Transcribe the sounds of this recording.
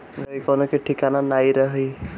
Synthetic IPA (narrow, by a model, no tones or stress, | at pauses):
ɡaikɔnɔkeʈʰikananajɾaɦi